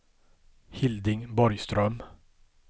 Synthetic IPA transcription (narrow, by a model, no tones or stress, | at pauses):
hɪld̪ɪŋbɔɾjst̪ɾœm